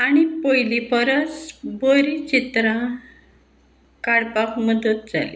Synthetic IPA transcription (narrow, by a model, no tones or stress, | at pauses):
aɽ̃ipojlipəɾət͡sboɾit͡ɕit̪ɾã | kaɽpakməd̪ət̪̚d͡za̰lḭ